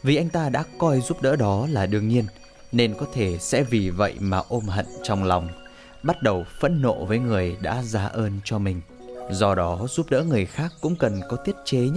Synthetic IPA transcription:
vi˨˩ʔa˧jŋ̟t̪aː˧ɗa̰ː˧˥kɔ˧jzu˦˥p̚ɗə̰ː˧˥ɗɔ˨˦laː˨˩ɗɨ˧əŋɲi˧ən | ne˧nkɔ˨˦t̪ʰe˧˩sɛ̰˧˥vi˨˩və̰˧˨jmaː˨˩ʔo˧mɦə̰˧˨nt͡ɕɔ˧wŋ͡mla˨˩wŋ͡m | ɓa˦˥t̚ɗə˨˩wfə̰˧˥nːo̰˧˨vəː˨˦jŋɨ˨˩əjɗa̰ː˧˥zaː˨˦ʔəː˧nt͡ɕɔ˧mï˨˩ŋ̟ | zɔ˧ɗɔ˨˦zu˦˥p̚ɗə̰ː˧˥ŋɨ˨˩əjxaː˦˥kːʊ̰˧˥ŋ͡mkə˨˩nkɔ˨˦t̪i˦˥ət̚t͡ɕe˨˦ɲ˦

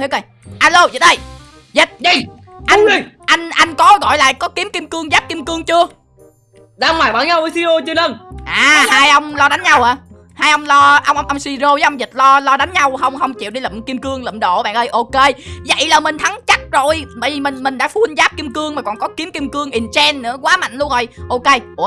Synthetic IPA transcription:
i˧˦ke˧˩ | ʔaː˧lo˧zi˨˩t̚ɗə˧˩j | zə˨˩t̚ | ʔa˧ʔa˧jŋ̟ʔa˧jŋ̟kɔ˨˦ɣɔ̰˧˨jla̰ː˧˨jkɔ˨˦ki˨˦mki˧mkɨ˧əŋzaː˦˥p̚ki˧əmkɨ˧əŋt͡ɕɨ˧ə | ɗaː˧ŋ͡mmaː˨˩ɓaː˧˩nɲa˧wʔə˧˦si˧o˧t͡ɕɨ˧nlə˧˩nʔaː˨˩haː˧jʔə˧wŋ͡mlɔ˧ɗa˨˦n̟ɲa˧wʔaː˨˩ | haː˧jʔə˧wŋ͡mlɔ˧ʔə˧wŋ͡mwŋ͡mʔə˧msi˧zo˧əː˨˦ʔə˧wŋ͡mzi˨˩t̚lɔ˧lɔ˧ɗa˨˦jn̟ɲa˧wɦə˧wŋ͡mɦə˧wŋ͡mt͡ɕḭ˧˨wɗi˧lə̰˧˨mki˧mkɨ˧əŋlə̰˧˨mɗo̰˧˨ɓa̰ː˧˨nʔəː˧jʔo˧ke˧zə̰˧˨jlaː˨˩mï˨˩ŋ̟t̪ʰa˨˦ŋt͡ɕa˦˥t̚zo˨˩jɓə̰ː˧˨jvi˨˩mï̟˨˩mï˨˩ŋ̟ɗa̰ː˧˥fu˧nzaː˦˥p̚ki˧əmkɨ˧əŋmaː˨˩kɔ˨˩nkɔ˨˦ki˨˦əmki˧əmkɨ˧əŋʔi˨˩nt͡ɕɛ˧nːɨ̰˧˥əkwaː˨˦ma̰˧˨ŋ̟lu˧əŋzo˨˩jʔo˧ke˧

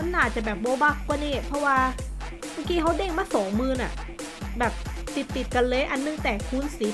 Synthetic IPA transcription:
a˧˥nːaː˧˩t͡ɕa˨˩bɛː˨˩p̚bo˧ba˦˥˩kkːwaː˧˩niː˧˥˩pʰɔ˧˥waː˧ | maː˧˩kiː˧kʰa˦˥wdeː˧˩ŋ̚maː˥˩k̚sɔː˩˦ŋmɯː˧na̰˨˩ | bɛː˨˩p̚t̪i˨˩t̪ːi˨˩t̪̚ka˧nlɤː˧jʔa˧nːɯ˧ŋt̪ɛː˨˩kʰuː˧˥˩nsiː˨˦

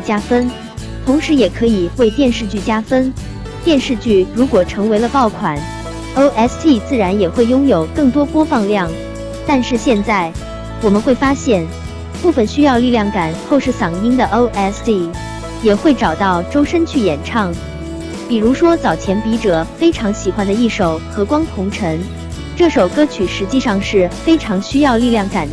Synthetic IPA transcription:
t͡ɕja˥fə˥n | t̪ʰʊ˧˥ŋʂɻ̩˧˥jɛ˨˩kʰɤ˧˥i˨˩we˥˧ɪt̪jɛ˥˧nʂɻ̩˥˧t͡ɕy˥˩t͡ɕja˥fə˥n | t̪jɛ˥˧nʂɻ̩˥˧t͡ɕy˥˩ɻu˧˥kwɔ˨˩ʈ͡ʂʰɤ˧˥ŋwe˧˥ɪlə˧pɑ˥˩ʊkʰwa˨˩˦n | o˥ʊʔɛ˥st̪ʰi˥˩t͡sɹ̩˥˩ɻa˧˥njɛ˨˩xwe˥˩ɪjʊ˥ŋjo˨˩ʊkɤ˥˩ŋt̪wɔ˥pwɔ˥fɑ˥˧ŋljɑ˥˩ŋ | t̪a˥˧nʂɻ̩˥˧ɕjɛ˥˧nt͡sa˥˩ɪ | wɔ˨˩mə˦nxwe˥˩ɪfa˥ɕjɛ˥˩n | pu˥˩fə˨˩nɕy˥jɑ˥˧ʊli˥˧ljɑ˥˩ŋka˨˩˦nxo˥˧ʊʂɻ̩˥˩sɑ˨˩ŋi˥ŋd̪ə˨ʔo˥ʔɛ˥sti˥˩ | jɛ˨˩xwe˥˩ɪʈ͡ʂɑ˨˩ʊt̪ɑ˥˩ʊʈ͡ʂo˥ʊʂə˥nt͡ɕʰy˥˩jɛ˨˩nʈ͡ʂʰɑ˥˩ŋ | pi˨˩ɻu˧˥ʂwɔ˥t͡sɑ˨˩ʊt͡ɕʰjɛ˧˥npi˧˥ʈ͡ʂɤ˨˩˦fe˥ɪʈ͡ʂʰɑ˧˥ŋɕi˨˩xwa˧˥nd̪ə˧i˥˩ʂo˨˩ʊxɤ˧˥kwɑ˥ŋt̪ʰʊ˧˥ŋʈ͡ʂʰɤ˧˥ŋ | ʈ͡ʂɤ˥˩ʂo˨˩ʊkɤ˥t͡ɕʰy˨˩ʂɻ̩˧˥t͡ɕi˥˧ʂɑ˥˧ŋʂɻ̩˥˩fe˥ɪʈ͡ʂʰɑ˧˥ŋɕy˥jɑ˥˧ʊli˥˧ljɑ˥˩ŋka˨˩˦n

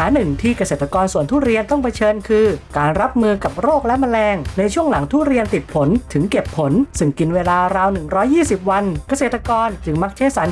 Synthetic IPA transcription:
aː˩˦nɯ˨˩ŋt̪ʰiː˥˩ka˧seː˨˩t̪ʰːa˧kɔː˧nsu˨˩ənt̪ʰuː˥˩ɾi˧ənt̪ɔ˥˩ŋpʰa˧t͡ɕʰɤː˧nkʰɯː˧kaː˧nɾa˦˥p̚mɯː˧ka˨˩p̚ɾoː˥˩k̚lɛ˦˥ma˧nlɛː˧ŋna˧jt͡ɕʰu˥˩əŋla˩˦ŋt̪ʰuː˥˩ɾi˧ənt̪i˨˩t̪̚pʰo˩˦nt̪ʰɯ˩˦ŋke˨˩pʰːo˩˦nsɯ˧˩ŋki˧nweː˧laː˧ɾaː˧wnɯ˨˩ŋɾɔː˦˥jːiː˥˩si˨˩p̚wa˧nka˧seː˨˩t̪ːa˧kɔː˧nt͡ɕɯ˩ŋma˦˥k̚t͡ɕʰa˦˥jsa˩˦˥n

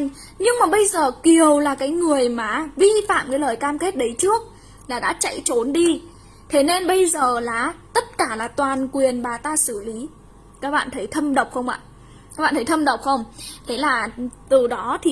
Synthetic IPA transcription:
ɲɨ˧ŋmaː˨˩ɓə˧jzəː˨˩ki˨˩əwlaː˨˩kaː˨˦jŋɨ˨˩əjmaː˨˩vi˧fa̰ː˧˨mkaː˨˦ləː˨˩jkaː˧mke˦˥t̚ɗə˨˦jt͡ɕɨ˦˥ək̚ | laː˨˩ɗa̰ː˧˥t͡ɕa̰˧˨jt͡ɕo˨˦nɗi˧ | t̪ʰe˨˦ne˧nɓə˧jzəː˨˩laː˨˩t̪ə˦˥t̚kaː˧˩laː˨˩t̪waː˨˩nkwi˨˩ənɓaː˨˩t̪aː˧sɨ˧˩li˨˦ | kaː˦˥k̚ɓa̰ː˧˨nt̪ʰə˨˦jt̪ʰə˧mɗə˨˩wk͡p̚xə˧wŋ͡mʔa̰ː˧˨ | a˦˥kɓa̰ː˧˨t̪ʰə˨˦jt̪ʰə˧mɗə˨˩wk͡p̚xə˧wŋ͡mt̪ʰe˨˦laː˨˩t̪ɨ˨˩ɗɔ˨˦t̪ʰi˨˩

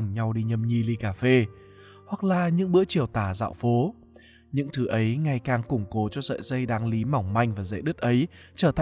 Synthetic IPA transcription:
ŋɲa˧wɗi˧ɲə˧˩mɲi˧li˧kaː˧˩fe˧ | hwa˨˩k̚laː˨˩ɲɨ̰˧˥ŋɓɨ̰˧˥ət͡ɕi˨˩əwt̪aː˧˩za̰ː˧˨wfo˨˦ | ɲɨ̰˧˥ŋt̪ʰɨ˨˦ʔə˨˦jŋa˨˩jkaː˨˩ŋkʊ˨˧˩ŋ͡mko˨˦t͡ɕɔ˧zə̰ː˧˨jzə˧jɗaː˨˦ŋli˨˦ma˨˧˩wŋ͡mma˧jŋ̟vaː˨˩zə̰˧˨jɗɨ˦˥t̚ʔə˨˦j | t͡ɕəː˧˩t̪ʰ

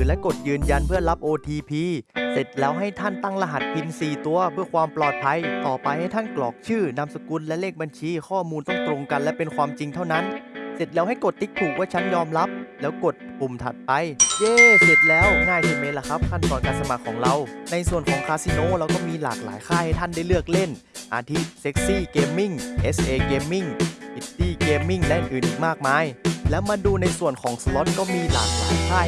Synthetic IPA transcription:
ɯː˨˦lɛ˦˥ko˨˩t̪̚jɯː˧nja˧npʰɯ˥˩ɐla˦˥p̚ʔoː˧t̪ʰiː˧pʰiː˧se˨˩t̪̚lɛː˦˥wɦa˥˩jt̪ʰa˥˩nt̪a˥˩ŋla˧ɦa˨˩t̪̚pʰi˧nsiː˨˩t̪u˧ɐpʰɯ˥˩ɐkʰwaː˧mplɔː˨˩t̪̚pʰa˧jt̪ɔː˨˩pa˧jha˥˩jt̪ʰa˥˩nklɔ̰ː˨˩k̚t͡ɕʰɯː˥˩na˧msa˧ku˧nlɛ˦˥leː˥˩k̚ba˧nt͡ɕʰiː˧xʰɔː˥˩muː˧nt̪ɔ˥˩ŋt̪ɾo˧ŋka˧nlɛ˦˥pe˧nkʰwaː˧mt͡ɕi˧ŋt̪ʰa˥˩wna˦˥nse˨˩t̪̚lɛː˦˥wɦa˥˩jko˨˩t̪ːi˦˥k̚t̪ːʰuː˨˩k̚waː˥˩t͡ɕʰa˦˥njɔː˧mɾa˦˥p̚lɛː˦˥wko˨˩t̪̚pu˨˩mt̪ʰa̰˨˩t̪̚pa˧jʔeː˧se˨˩t̪̚lɛː˦˥wŋaː˧˥˩jwi˧meː˧˥la˧˩kʰa˦˥p̚kʰa˧˥˩nt̪ɔː˨˩nkaː˧nsa˧ma˨˩kʰːɔː˩˦ŋɾa˧wna˧jsu˨˩ənkʰɔː˩˦ŋkʰaː˧si˧noː˧˥ɾa˧wkɔː˥˩miː˧la̰ː˨˩k̚la̰ː˩˦jkʰaː˥˩jha˥˩jt̪ʰa˥˩nda˥˩jlɯ˥˩ək̚le˥˩n | ʔaː˧t̪ʰi˦˥˩t̪̚se˦˥k̚siː˥˩keː˧mːi˥˩ŋʔe˦˥sʔeː˧keː˧mːi˥˩ŋʔi˧˥˩t̪iː˧˥˩keː˧mːi˥˩ŋlɛ˦˥ʔɯ˨˩nʔɯː˨˩nʔiː˨˩k̚maː˥˩k̚maː˧˥jlɛː˦˥wmaː˧duː˧na˧jsu˨˩ənkʰɔː˩˦ŋsa˧lo˦˥t̪̚kɔː˥˩miː˧la̰ː˨˩k̚la̰ː˨˩˦jkʰaː˥˩

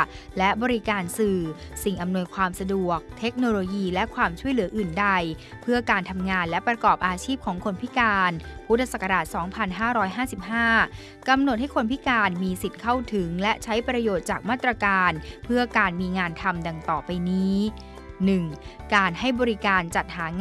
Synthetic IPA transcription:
lɛ˦˥ʔbɔː˧ɾi˦˥kaː˧nsɯː˨˩ | si˨˩ŋʔa˧mnu˧əjkʰwaː˧msa˧du˨˩ək̚t̪ʰe˦˥k̚noː˧loː˧jiː˧lɛ˦˥ʔkʰwaː˧mt͡ɕʰu˥˩əjlɯ˩˦ɐʔɯː˨˩nda˧j | pʰɯ˥˩əkaː˧nt̪ʰa˧mŋaː˧nlɛ˦˥pɾa˧kɔː˨˩p̚ʔaː˧t͡ɕʰiː˥˩p̚kʰɔː˩˦ŋkʰo˧npʰi˦˥kaː˧npʰu˦˥t̪̚ʰːa˧sa˨˩kːa˧ɾaː˨˩t̪̚sɔː˩˦ŋpʰa˧nɦaː˥˩ɾɔː˦˥jɦaː˥˩si˨˩p̚haː˥˩ | ka˧mno˨˩t̪̚ha˥˩jkʰo˧npʰi˦˥kaː˧nmiː˧si˨˩t̪̚kʰa˥˩wt̪ʰɯ˩˦ŋlɛ˦˥ʔt͡ɕʰa˦˥jpɾa˧joː˨˩t̪̚t͡ɕaː˨˩k̚maː˥˩t̪ːɾa˧kaː˧npʰɯ˥˩ɐkaː˧nmiː˧ŋaː˧nt̪ʰa˧mda˧ŋt̪ɔː˨˩pa˧jniː˦˥ | nɯ˨˩ŋkaː˧nha˥˩jbɔː˧ɾi˦˥kaː˧nt͡ɕa˨˩t̪̚haː˩˦ŋ

